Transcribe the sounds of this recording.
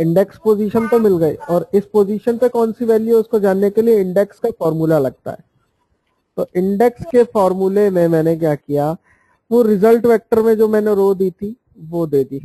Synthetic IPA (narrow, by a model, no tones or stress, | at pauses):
ɪ̃ɳɖɛkspoːziːʃənt̪omɪlɡɐḭːɔːɾɪspoːziːʃənpekɔːnsiʋɛːljuʊskod͡ʒaːnːekelieɪ̃ɳɖɛkskafɔːɾmuːlalɐɡ̚t̪a̰ɦɛ̰ː | t̪oːʔɪ̃ɳɖɛkskefɔːɾmulemẽmɛ̃ːnek̬jaːkija | ʋũɾɪzəlʈʋɛːk̚ʈəɾmẽd͡ʒoːmɛ̃ːneɾoːd̪iːt̪ʰi | ʋod̪eːd̪iː